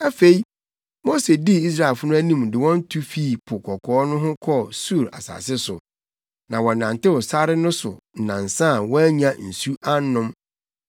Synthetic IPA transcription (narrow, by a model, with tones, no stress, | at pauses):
æ˦fe˨i˦ | mo˦se˨di˦i˦s̬ɾa˨ɛ˨fʊ˦nʊ̃˦æ˦nĩ˦˨m˨dɪ˨wɔ̃˦n˦tʰu˦fi˦˨pʰʊ˨kʰɔ˨kʰɔː˨˦nʊ̃˦ɦʊ̃˦kʰɔ˦su˦˨ɾa̰˨sa̰˨sɪ˦sʊ˨ | nã˨wɔ̃˨nã˨ntɪ˦wʊ˨sa˦ɾɪ˦nʊ̃˦sʊ̰˨n̩˨nã˨n˨sã˦˨wɔ̃˦æ˦ɲã˦n̩˨su˦a˦n˦nʊ̃˦m